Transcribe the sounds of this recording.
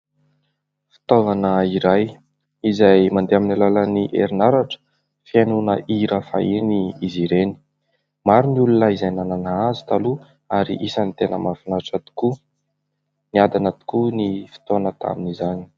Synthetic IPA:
fi̥t̪ovanəiɾaj | izajmand̪eaminalaləniʔḛɾinaɾaʈ͡ʂə̥ | fianunəʔiɾəfa̰iniiziɾeni̥ | maɾuniulunəizajnananaazu̥t̪alu | aɾḭʔisanit̪enə̰mafinaʈ͡ʂat̪i̥u̥ku | niad̪anat̪i̥kunifi̥t̪onət̪ʰa̰minizani̥

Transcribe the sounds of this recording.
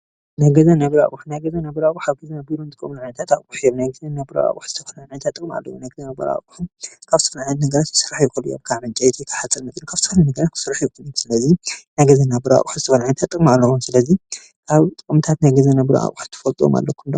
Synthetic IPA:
najɡɐzɐnɐβɨɾa̰kʼuħunajɡɐzɐnɐβɨɾakʼuħaβɡɐzɐnɐbiɾont̪ʼɨkʼːɨmnʕɨnɐt̪ʰat̪akʼuħijomnajɡɐzɐnabɨɾa̰a̰ʔʼuħz̥ɨt̪ʰɐfɐnʕʕɨnɐt̪ʰat̪ʼːɨkʼma̰lːɐwunajɡɐzɐnɐbɐɾa̰kʼuħumkʰaβzɨt̪ʰɐfɐlʕnt̪nɐɡɐɾat̪kʰɨ̥sɨrːaħjɛkʰoljo̰mkʰaʕʕɨnt͡ʃʼajt̪ʰik̪ʰɐ̥ħat͡sʼːɐlnɐt̪ɨnkʰaβt̪ʰɐfɐlanɐɡɐɾat̪kʰɨ̥sɨrːaħjɛkʰonumsɨlɐzinajɡɐzɐnːabɨɾa̰kʼħuzɨt̪ʰɐfɐlʕɨnɐt̪ʰat̪ʼːɨkʼmalːɐkʰumsɨlɐzi | kʰaβt̪ʼɨkʼmt̪ʰat̪najɡɐzɐnɐβbɾʔa̰ʔʼuħt̪ʰɨ̥fɐlt̪ʼuoma̰lːɐkʰːumnd̪ɐ

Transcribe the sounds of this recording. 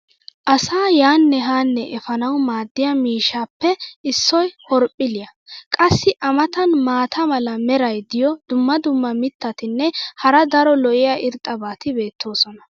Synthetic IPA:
ʔɐsaːjaːnːɛɦaːnːɛʔɛfɐnɐwmaːd̪ːɪjɐmiːʃaːpːɛɪsːɔjhɔɾpʼːɪlɪjɐkʼɐsːɪʔɐmɐt̪ɐnmaːt̪ʰɐmɐlɐmɛɾɐjd̪ɪjɔd̪ʊmːɐd̪ʊmːɐmɪt̪ːɐt̪ɪnːɛhɐɾɐd̪ɐɾɔlɔʔɪjaʔɪɾt̪ʼːɐbaːt̪ɪbe̞ːt̪ʰːo̞ːsɔnɐ

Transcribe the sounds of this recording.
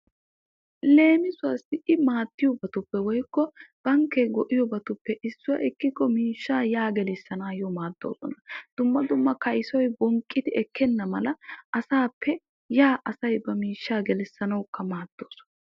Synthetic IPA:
le̞ːmɪsʊwɐsɪɪmaːt̪ːɪjɔbɐt̪ʊpːɛwɔjkːɔb̥ɐŋkːeːɡɔʔɪjɔbɐt̪ʊpːɛʔɪsːʊjɐ̰ʔɛkːɪkːɔmiːʃːaːjaːɡɛlɪsːɐnaːjɔmaːd̪ːo̰ːsɔ̰nɐd̪̥ʊmːɐd̪ʊmːɐkɐjsɔjbɔŋkʼːɪd̪ɪɛkʰːɛnːɐmɐlɐʔɐsaːpːɛ | jaːʔɐsɐjbɐmiːʃːaːɡɛlɛsːɐnɐwkːɐmaːd̪̥ːoːsɔ̥nɐ

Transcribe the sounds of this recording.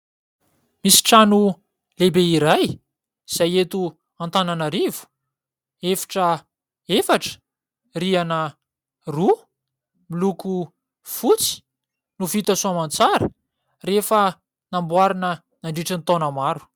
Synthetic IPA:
misi̥ʈ͡ʂanu | lebeiɾaj | z̥ajet̪u | ant̪ananaɾivu̥ | efḁʈ͡ʂə | efaʈ͡ʂə̥ | rianə | ru | miluku | fut͡si̥ | nuvit̪asuamant͡saɾə | refə | nambwaɾinə | naɳɖ͡ʐiʈ͡ʂənit̪onəmaɾu̥

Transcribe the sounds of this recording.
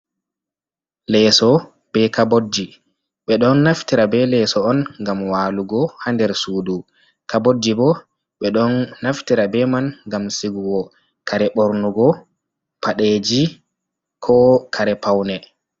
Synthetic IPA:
lɛsɔ | b̥ɛkabod͡ʒːi | ɓɛɗɔnːaftiɾabɛlɛsɔɔnŋɡamwaːluɡɔhandɛɾsuːdu | kabodːibɔ | ɓɛɗɔnːaftiɾabɛmanɡamsiɡuwɔ | kʰaɾɛɓoɾnuɡɔ | paɗed͡ʒi | kʰɔkʰaɾɛpawnɛ

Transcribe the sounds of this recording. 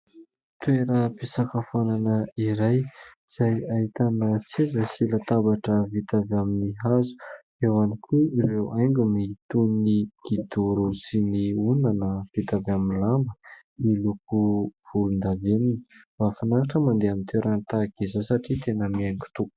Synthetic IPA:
t̪weɾəpisakafananəiɾaj | z̥ajait̪anət͡sezəsilat̪abaʈ͡ʂəvit̪avaminiɦazu̥ | ewanikʰuiɾewʔajŋɡʲumit̪uniɡ̥id̪uɾusiniunanəv̥it̪avaminlambə | iluk̚uv̥ulund̪avenini̥vafanaɾaʈ͡ʂəmand̪eamint̪weɾʔant̪akizasaʈ͡ʂit̪enəmiaŋɡu̥t̪u̥

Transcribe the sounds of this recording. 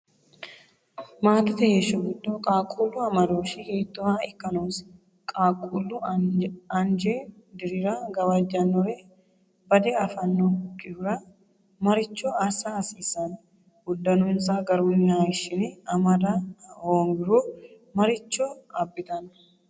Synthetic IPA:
maːt̪ɪt̪ɐheːʃʊɡʊd̪oːkʼaːkʼuːlːʊɐmɐd̪oːʃɪheːt̪ːʊmaːɪkːɐnoːs | kʼaːkʼulːʊ | ɐnd͡ʒeː | d̪ɪɾɪɾaːɡɐwɐd͡ʒːɐnːɔɾe | bɐd̪eɐfɐnːokːɪhʊɾɐ | mɐɾɪt͡ʃːoːɐsaːsiːsɐn | ɡʊd̪ːɐnʊɪnsaːɡɐɾunːaːɪʃːɪnɪɐmɐd̪ahoːŋɡɪɾoː | mɐɾɪt͡ʃːoːɐbːɪt̪ɐn

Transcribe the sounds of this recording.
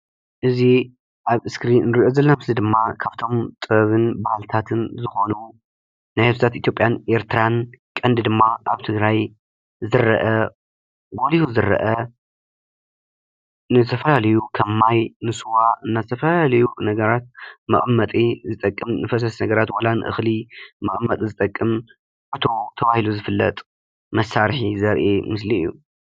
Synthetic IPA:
ʔɨzi | ʔaβɨskɾinnɨɾiʔo̞zɐlːɐmɨslid̪ɨmːakʰaβt̪ʰo̞mt̪ʼɨβɐβɨnbahlt̪ʰat̪ʰɨnzɨxo̞nu | najhet̪zʰat̪it̪ʰjopʼjanʔe̞ɾt̪ʰɾankʼɐnd̪ɨd̪ɨmːaʔa̰βt̪ʰɨɡɾaj | zɨɾːɐ̰ʔɐ | ɡo̞lihuzɨɾːɐ̰ʔɐ | nɨzɨt̪ʰɐfɐlalɐjukʰɐmːajnɨsuwaʔɨnːazɨt̪ʰɐfɐlaalɐjunɐɡɐɾat̪̚mɐ̰ʔʼmːɐt̪ʼizɨt̪ʼɐkʼːɨmnɨfɐs̬ɐsnɐɡɐɾat̪wɐlanʔɨ̰xlimɐχʼmːɐt̪ʼizɨt̪ʼɐkʼːɨm | ʔɨt̪ʰo̞t̪ʰɐβahiluzɨfɨlːɐ̰t̪ʼ | mɐsːaɾħizɐɾʔemɨsliɨjːṵ

